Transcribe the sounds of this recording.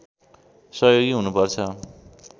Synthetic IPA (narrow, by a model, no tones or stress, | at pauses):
sʌɦjoɡiɦunupʌrt͡sʰʌ